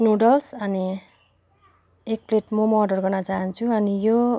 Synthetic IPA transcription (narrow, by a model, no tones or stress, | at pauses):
noɖʌlsʌni | ek̚pleʈmʌmʌɖʌrɡʌrnʌt͡saɦʌnt͡sʰuʌnijo